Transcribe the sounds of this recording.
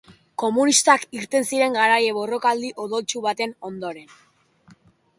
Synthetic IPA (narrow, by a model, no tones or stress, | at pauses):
ko̞munist̪akiɾt̪e̞nsiɾe̞ŋɡaɾaje̞βo̞ro̞kald̪iʔo̞ðo̞lt͡ʃuβat̪e̞no̞nd̪o̞ɾe̞n